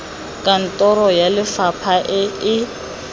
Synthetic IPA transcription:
kʼan̩tʼɔɾɔjalɪfapʰaʔɪɪ

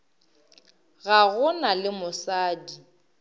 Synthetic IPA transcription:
ɣaɣʊnalɪmʊsaːdi

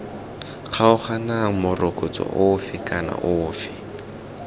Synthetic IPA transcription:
q͡χʰaʊχanaŋ̩mʊrʔokʼot͡sʼɔ̰ʔʊfɪkʼana̰ʔʊːfɪ̥

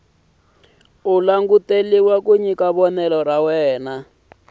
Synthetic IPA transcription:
ulaŋɡuteliwakuɲikaβɔnɛlɔrawɛːna

